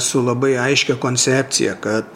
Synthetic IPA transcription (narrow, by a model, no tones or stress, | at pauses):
sʊlˠɐbɐɪɐɪʃʲkʲɛkoːnʲsʲæːp̪̚ʲsʲɪ̰jɛkɐt̪